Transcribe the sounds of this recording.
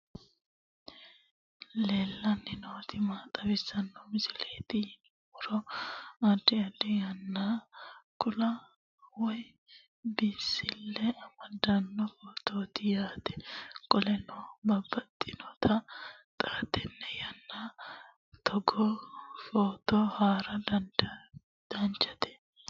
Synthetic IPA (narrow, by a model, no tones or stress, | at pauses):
leːlːɐnɪnoːt̪ɪmaːt̪ʼɐbɪsɐnːɔmɪsɪleːt̪ɪn | ʊɾɔɐdːɪɐd̪ɛjɐnːakʊlɐ | wɔj | bɪsɪlːɛɐmɐd̪ɐnːɔfoːt̪oːt̪ɪjaːt̪ɛ̥kʼɔlɛnoːbɐbːɐt̪ʼːɪnɔt̪ʰɐt̪ʼaːt̪ɛnːɛjɐnːa | t̪ʰɔɡɔfoːt̪ɔhaːɾɐd̪ɐnd̪ɐ | d̪̥ɐnt͡ʃɐt̪ɛ̥